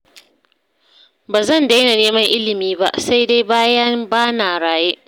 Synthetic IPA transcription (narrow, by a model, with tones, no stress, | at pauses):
baː˨zɐ˦˨nda˦jna˨neː˦mɐ˦ŋʔɪ˦lɪ˨miː˦ba̰˦ʔsa˦jda˦jbaː˦jɐ˦ŋbaː˦naː˨ɽaː˨jeː˦ʔ